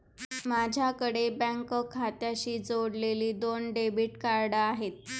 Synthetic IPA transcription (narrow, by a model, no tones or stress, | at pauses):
mad͡ʑʱjakəɽebɛ̃ŋkəkʰːat̪jaɕiːd͡zoɽleliːd̪onɖebiʈkaɾɖəaɦet̪̚